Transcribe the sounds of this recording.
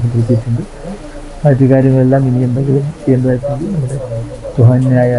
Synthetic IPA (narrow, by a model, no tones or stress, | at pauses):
sut̪iɾit̪ːiitːuɳɖɨ | ɐːt̪ːjiɐkaːɾjɐŋːɐɭe̞lːaːminijɐnd̪eŋɡilumt͡ɕeːnd̪ðaːjikːuŋɡilnɐmːuɽe̞ | t̪uɦaːnːaːjɐ